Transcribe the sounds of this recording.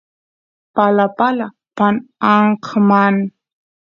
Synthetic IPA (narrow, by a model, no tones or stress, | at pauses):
palapala | panaɴqman